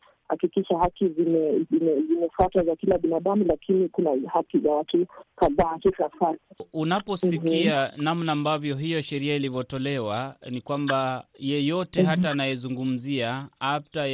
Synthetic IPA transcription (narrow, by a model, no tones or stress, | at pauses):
ha̰kikiʃahakizimɛzimɛzimɛfatwazakilaɓinaɗamulakʰinikunahakizawatukaðaːhisafaɾiunapɔsikianam̩naːmbavjɔɦijɔʃɛɾiailivɔtɔlɛwanikwambajɛjɔtɛɦataːnajɛzuŋɡum̩ziaap̚ta